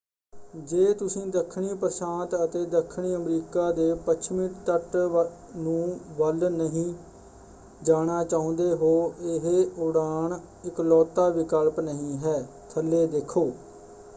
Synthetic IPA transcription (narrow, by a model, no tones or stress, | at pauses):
d͡ʒeːt̪ʊsĩːd̪əkʰːɳiːpɾsaːnt̪ət̪eːd̪əkʰːɳiːəmɾiːkaːd̪eːpət͡ʃʰmɪʈt̪əʈ | nũːʋəlnəɦĩː | d͡ʒaːɽ̃aːt͡ʃaːʊ̃nd̪eːɦoːɪɦeʊɽaːɳ | ɪklɔːt̪ːaːʋɪkəlpnəɦĩːɦɛː | t̪ʰəlːeːd̪eːkʰːoː